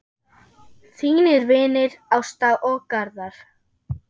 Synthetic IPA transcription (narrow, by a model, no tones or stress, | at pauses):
θiːnɪɾvɪːnɪɾawst̪aʔɔɣkaɾðaɾ̥